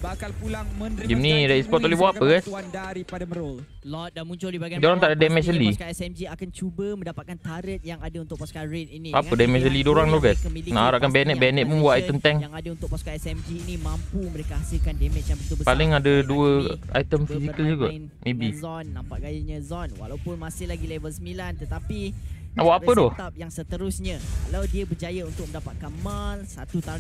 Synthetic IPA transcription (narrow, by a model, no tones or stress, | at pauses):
alpulaŋd͡ʒimnidaispɔt̪olɛɦbwaʔapəɡajs | mut͡ʃʊdoɾaŋt̪aʔdadɛmɛt͡ʃəlisɛmd͡ʒiakant͡ʃubəmə̃ndapat̪̚kant̪aɾət̪̚jaŋadaunt̪ʊt̪inapədɛmɛsəlidoɾaŋlohɡajsna̰ʔhaɾaʔkanbɛnɛt̪ʔ̚bɛnɛʔ̪̚munbwaʔ̪ajt̪əmt̪ɛŋŋadaunt̪ʊpkasmd͡ʒinimãmpuməɾekaasilkandɛmɛt͡ʃjãŋmbət̪ubəpalɪŋadaduəa̰jt̪əmfisikəld͡ʒuɡaʔ | mebizɔnːãmpaʔɡajaɲəzɔnwa̰lawpʊnmasɪlaɡilevəlsəmilant̪ət̪apinawaʔapədɔht̪ap̚jaŋsət̪əɾʊsɲə̃kkalawdiəbəd͡ʒajaunt̪ʊk̚mə̃ndapat̪̚kamalsat̪ut̪aɾ